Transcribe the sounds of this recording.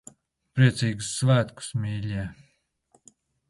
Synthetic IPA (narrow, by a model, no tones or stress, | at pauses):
pɾiɛt̪siːɡusːvæːt̪ku̥smʲiːlʲiː